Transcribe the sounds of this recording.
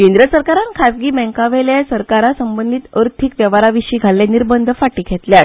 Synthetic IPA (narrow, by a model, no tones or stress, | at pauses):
kẽnd̪ɾəsəɾkaɾãnkʰapɡiːmɛ̃ŋkaʋɛljasəɾkaɾasəmbənd̪ʱiːt̪əɾt̪ʰiːkʋjəʋaɾaʋiɕiːɡʱalːeniɾbənd̪ʱəfaʈiːkʰɛt̪ljat